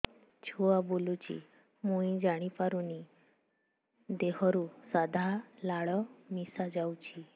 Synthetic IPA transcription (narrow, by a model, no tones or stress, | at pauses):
t͡ʃʰuabolut͡ʃʰḭ | muĩd͡ʒaɽ̃ipaɾuni | d̪eɦɔɾusad̪ʱalaɭɔmisad͡ʒawt͡ʃʰi